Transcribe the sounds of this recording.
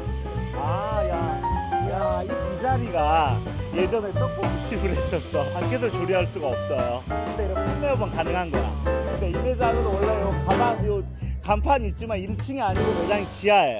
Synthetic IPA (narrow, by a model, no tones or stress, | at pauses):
ajajaipid͡ʑaɾiɡa | je̞d͡ʑʌnet͈ʌkomut͡ɕʰibɯɾis͈ʌs͈ʌaɾkʰes̬ʰot͡ɕoɾiɦaɭs͈uɡaʌp̚s͈ʌjokɯd̪eiɾʌnpʰumeʌbʌnkanɯŋɦanɡʌɾa̰kɯnde̞imed͡ʑaɡɯɾwʌɭːaokamao | kampʰaɲit̚t͡ɕ͈imaniɭt͡ɕʰiŋiaɲiɡomed͡ʑaŋit͡ɕiae